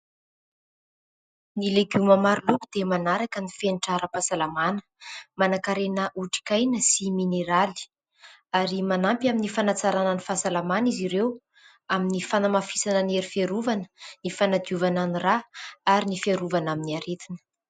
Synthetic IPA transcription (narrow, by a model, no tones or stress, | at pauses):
nileɡumamaɾulukud̪emanaɾakənifenʈ͡ʂaɾəpasalamanə̥ | manakaɾenəʔuʈ͡ʂi̥kajnəsimineɾali̥ | aɾimanampʲaminifanat͡saɾananifasalamaniziɾew | aminifanamafi̥sanəneɾifiaɾuvanə̥nifanad̪iuvananiraaɾinifiaɾuvanaminiaɾet̪inə̥